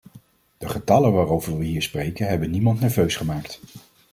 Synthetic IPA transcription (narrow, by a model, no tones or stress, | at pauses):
d̥əχətɑlənʋaːrowvəɹʋəɦiːɹsprejkənɦɛbənːimɑntnɛɹvøɥsχəmaːkt